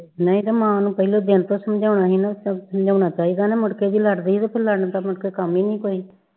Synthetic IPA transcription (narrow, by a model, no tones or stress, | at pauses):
nəĩːt̪emãːnũːpəiloːd̪eːnt̪oːsəmd͡ʒaːɳaːɦiːnasəmd͡ʒaːɳaːt͡ʃaːiːd̪aːneːmʊʈkeːd̪iːləɖd̪eiːt̪oːpʰɪɾləɽnd̪aːmʊʈkeːkəmiːnĩːkoːiː